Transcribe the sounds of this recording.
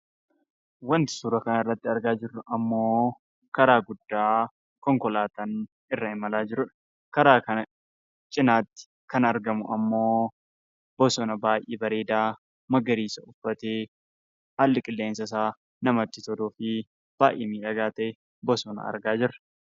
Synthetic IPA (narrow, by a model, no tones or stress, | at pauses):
wɐnt̪ɪ̥suːɾɐkɐnɪrːɐt̪ːɪɐɾɡaːd͡ʒɪrːʊʔɐmːo̞ː | kɐɾaːɡʊd̪ːaː | kɔŋkɔlaːt̪ɐn | ɪrːɐɪmɐlaːd͡ʒɪɾʊᶑɐ̥ | kɐɾaːkɐnɐ | t͡ʃʼɪnaːt̪ːɪ̥ | kɐnɐɾɡɐmʊɐmːo̞ː | b̥ɔsɔnɐbaːjʔiːbɐɾeːd̪aː | mɐɡɐɾiːsɐʊfːɐt̪eː | halːɪkʼɪlːe̞ːnsɐs̬aː | nɐmɐt̪ːɪt̪ɔd̪uːfɪ | b̥aːʔḛːmiːᶑɐɡaːt̪ɐʔɛ | bɔsɔnɐ̰ɐ̰ɾɡaːd͡ʒɪrɐ̥